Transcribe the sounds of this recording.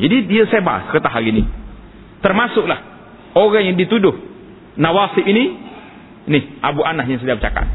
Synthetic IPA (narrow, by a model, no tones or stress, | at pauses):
d͡ʒadidiəseba̰səkət̪aɦaɡini | t̪ərmasʊk̚lah | oɣaŋjaŋdit̪udʊh | nawasɪʔini | nɪhʔabuʔanahjaŋs̬ədabət͡ʃaka̰t̪̚